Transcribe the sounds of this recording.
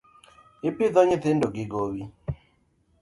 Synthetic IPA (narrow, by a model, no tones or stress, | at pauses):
ɪpɪðɔɲɪθɪndoɡɪɡowi